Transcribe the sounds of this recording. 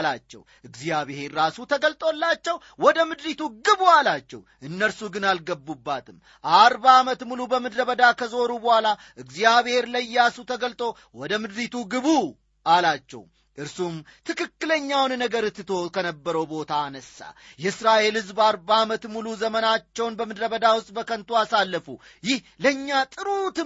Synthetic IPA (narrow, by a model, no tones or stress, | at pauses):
lat͡ʃːɛ̰wʔɨɡzijaβhe̞ɾːasut̪ʰəɡəlt̪ʼo̞lːat͡ʃːɛw | wɔd̪əmɨd̪ɾit̪uɡɨβualat͡ʃːɛ̰w | ʔɨnːəɾsuɡɨnalɡəbːubːat̪ʰɨm | ʔaɾbaːmət̪mulubəmɨd̪ɾəβəd̪akʰəzo̞ɾubəhʷala | ʔɨɡzijaβhe̞ɾləjasut̪ʰəɡəlt̪ʼo̞ | wɔd̪əmɨd̪ɾit̪ʰuɡɨβu | ʔalat͡ʃːɛ̰w | ʔɨɾsumt̪ʰɨkɨkːɨləɲːawnnəɡəɾɨt̪ːɨt̪ʰo̞kʰənəbːəɾəwbo̞t̪ʰaːnəsːa̰jɛɨsɾaʔe̞lhɨzbaɾbamət̪muluzəmənat͡ʃːɛwnbəmɨd̪ɾəβəd̪awʊst̪ʼbəkʰənt̪ʰuasalːəfṵ | jɪhləɲːat̪ʼɨɾut̪ɨ